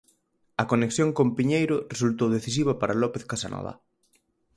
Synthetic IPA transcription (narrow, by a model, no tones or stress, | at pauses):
ɐkoneksjoŋkompiɲejɾʊresult̪owðeθis̬iβ̞ɐpaɾalɔpeθkasanʔɔ̰ða̰